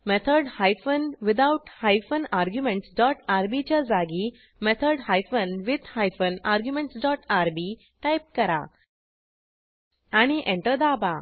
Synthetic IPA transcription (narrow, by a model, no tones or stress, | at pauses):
mɛt̪ʰəɾɖhajfənʋid̪auʈhajfənaɾɡjumẽɳʈsɖɔʈaɾbit͡ɕjad͡zaɡi | met̪ʰəɾɖhajfənʋid̪hajfənaɾɡjumẽɳʈsɖɔʈaɾbi | ʈajp̚kəɾa̰ | aɽ̃iʔẽɳʈəɾd̪aba